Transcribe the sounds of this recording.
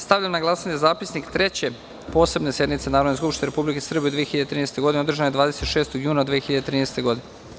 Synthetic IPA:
st̪avʎamnaɡlˠasaɲezaːpisnikt̪ɾet͡ɕe̞ | po̞ːsebnesjed̪nit̪senaːɾod̪neskupʃt̪ieɾepublikesr̩beud̪ʋijexiʎad̪et̪ɾiːnest̪e̞ɡod̪ineod̪r̩ʒanojd̪ʋaːd̪e̞set̪ʃe̞ːst̪oɡjuːnad̪ʋieːexiʎad̪et̪ɾiːneːst̪e̞ɡo̞d̪ine

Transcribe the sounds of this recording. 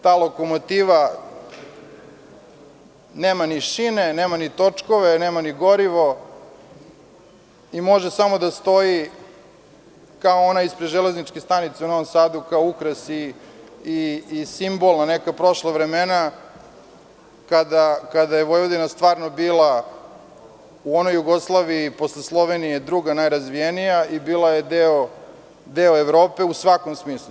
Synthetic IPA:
t̪aːlˠo̞ko̞mot̪iʋa | neːmaniʃineneːmanit̪o̞t͡ʂkoʋeneːmaniɡoɾiʋo̞ | imo̞ʒesamo̞d̪ast̪o̞ji | kaoonaispɾed̪ʒele̞znit͡ʃkest̪anit̪seuno̞ʋomsaːd̪ukaoukɾasiː | simbo̞lˠnanekapɾo̞ʃlaʋɾemena | kad̪akad̪ajeʋo̞jʋod̪inast̪ʋaːɾno̞biːlˠa | uo̞no̞jːuɡo̞slˠaːʋiipo̞sleslˠo̞ʋenijed̪ɾuɡanajɾazʋijenijaibiːlˠaje̞d̪eo | d̪eoeʋɾo̞ːpe̞usʋako̞msmiːslˠu

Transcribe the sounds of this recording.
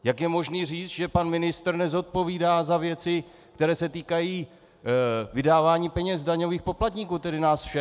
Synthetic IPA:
jakjɛmo̞ʒniːriːt͡st̪ʒɛpanmɪnɪst̪rnɛzo̞t̪̚po̞viːdaːzavjɛt͡sɪ | kt̪ɛɾɛːsɛt̪iːkajiː | vɪdaːvaːɲiːpɛɲɛz̬daɲo̞viːxpo̞plat̪ɲiːkuːt̪ɛdɪnaːsfʃɛ

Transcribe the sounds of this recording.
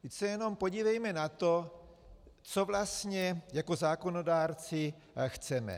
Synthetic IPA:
t̪ɪcsɛjɛno̞mpo̞ɟivɛjmɛnat̪o̞ | t͡so̞vlast̪ɲɛjako̞zaːko̞no̞daːɾt͡sɪ | xt͡sɛmɛ̰

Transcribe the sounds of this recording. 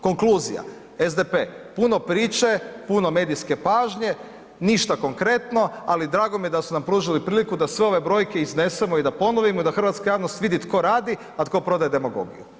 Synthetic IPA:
ko̞ŋkluːzḭja̰ | ezd̪epe̞puno̞pɾiːt͡ʃe̞puno̞me̞ːd̪ijske̞paːʒɲe̞ | niʃt̪ako̞ŋkɾe̞t̪no̞alid̪ɾaːɡomijed̪asunampɾuːʒilipɾiːlikud̪asʋe̞o̞ʋe̞bɾo̞jke̞izne̞se̞moid̪apo̞noʋimoid̪axɾr̩ʋat̪skajaːʋnost̪ʋid̪it̪kʰo̞ɾaːd̪i | at̪ko̞pɾo̞d̪ajed̪e̞moɡo̞̰ɡḭjṵ

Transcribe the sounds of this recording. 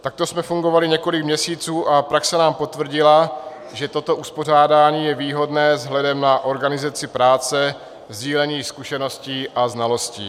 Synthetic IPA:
t̪ak̚t̪o̞smɛfuŋɡo̞valɪɲɛko̞lɪkmɲɛsiːt͡suːʔapɾaksɛnaːmpo̞t̪vr̩ɟɪla | ʒɛt̪o̞t̪o̞ʔuspo̞r̝aːdaːɲiːjɛviːɦo̞dnɛːzɦlɛdɛmnaʔo̞ɾɡanɪzat͡sɪpɾaːt͡sɛ | zɟiːlɛɲiːskuʃɛno̞sciːʔaznalo̞scḭː

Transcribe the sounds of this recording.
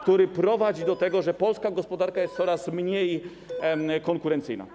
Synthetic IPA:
kt̪uɾɘpɾɔvad͡ʑid̪ɔt̪ɛɡɔʐɛpɔlskaɡɔspɔd̪aɾkajɛst̪sɔɾasmɲej | kɔŋkuɾɛnt̪sɘ̰jna̰

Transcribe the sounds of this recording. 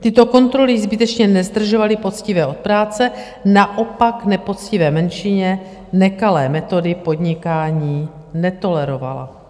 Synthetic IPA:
t̪ɪt̪o̞ko̞nt̪ɾo̞lɪzbɪt̪ɛt͡ʃɲɛnɛzd̪r̩ʒovalɪpo̞t͡scɪvɛːʔo̞t̪̚pɾaːt͡sɛ | naʔo̞paknɛpo̞t͡scɪvɛːmɛnʃɪɲɛ | nɛkalɛːmɛt̪o̞dɪpo̞d̪ɲɪkaːɲiː | nɛt̪o̞lɛɾo̞va̰la̰

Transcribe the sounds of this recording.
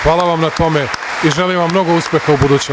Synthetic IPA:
xʋaːlˠaʋamnat̪o̞me | iʒeliʋamːno̞ɡouspʲjexaubud̪uːt͡ɕ

